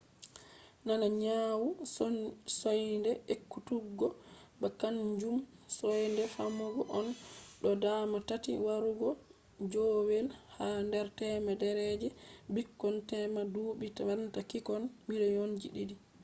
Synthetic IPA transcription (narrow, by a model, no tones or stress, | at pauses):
nanaɲawu | sɔjndɛʔekːutuɡːɔbakaɲd͡ʒumsɔjndɛfamuɡɔʔɔnɗɔdamatatḭwaɾuɡɔ | d͡ʒowɛlhandɛɾtɛmadɛɾɛd͡ʒɛbikːɔntɛmaduɓitaantakikɔnmilɛjond͡ʒḭɗidi